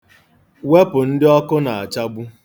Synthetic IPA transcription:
we˦pʊ˨n̩˦dɪ˦ɔ˦kʊ˦na˨a˨t͡ʃa˦bu˦

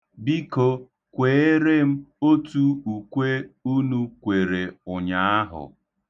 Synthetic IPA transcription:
bi˦ko˦ | kʷe˨˦e˦ɾe˦m̩˦o˦tu˦u˨kʷe˦u˦nu˦kʷe˨ɾe˨ʊ˨ɲa˨a˦ɦʊ̰˨

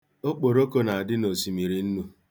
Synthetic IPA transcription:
o˦k͡po˨ɾo˦ko˦na˨a˨dɪ˦no˨si˨mi˨ɾi˨n̩˦nu˦

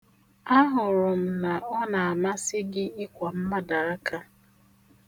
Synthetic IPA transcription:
a˦ɦʊ˨ɾʊ˨m̩˨na˨ɔ˦na˨a˨ma˦sɪ˦ɡɪ˦ɪ˦kʷa˨m̩˦ma˦da˨a˦ka˦

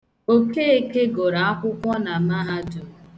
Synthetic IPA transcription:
o˦keː˦e˦ke˦ɡo˨ɾa˨a˦kʷʊ˦kʷɔ˦na˨ma˦ɦa˦dʊ˨

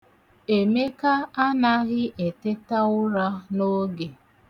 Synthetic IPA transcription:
e˨me˦ka˦a˦na˦ɣɪ˦ʔe˨te˦ta˦ʊ˦ɾa˦no˦ɡe˨

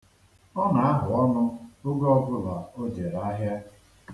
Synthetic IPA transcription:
ɔ˦na˨a˦ɦʊ˨ɔ˦nʊ˦ʊ˦ɡɔ˦ɡʊ˦la˨o˦d͡ʒe˨ɾa˦ɦja˦

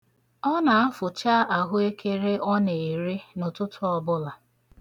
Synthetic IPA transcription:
ɔ˦na˨a˦fʊ˨t͡ʃa˦a˨ɦʊ˦e˦kʰe˦ɾe˦ʔɔ˦ne˨e˨ɾe˦nʊ˨tʊ˦tʰʊ˦ɔ˨bʊ˦la˨

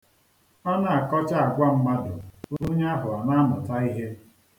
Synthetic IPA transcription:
ɔ˦na˦˨a˨kɔ˦t͡ʃa˦a˨ɡʷa˦m̩˦ma˦dʊ̰˨o˦o˦ɲe˦a˦ɦʊ˨a˨na˦nɔ˨ta˦i˦ɦe˦

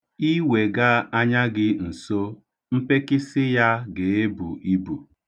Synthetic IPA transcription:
i˦we˨ɡa˦a˦ɲa˦ɡɪ˦n̩˨so˦ | m̩˦pe˦kɪ˦sɪ˦ja˦ɡe˨e˦bṵ˨ʔi˦bu˨

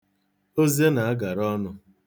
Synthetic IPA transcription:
o˦ze˦na˨a˦ɡa˨ɾɔ˦nʊ˦

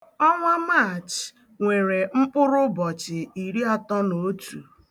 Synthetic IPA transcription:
ɔ˦ŋʷa˦ma˦˨t͡ʃ | ŋʷe˨ɾe˨m̩˦k͡pʊ˦ɾʊ˦bɔ˨t͡ʃɪ˨i˨ɾi˦a˦tɔ˦no˨˦tu˨

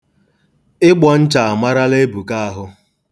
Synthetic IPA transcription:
ɪ˦ɡ͡bɔ˨n̩˦t͡ʃa˨a˨ma˦ɾa˦le˦bu˨ka˦a˦ɦʊ˦

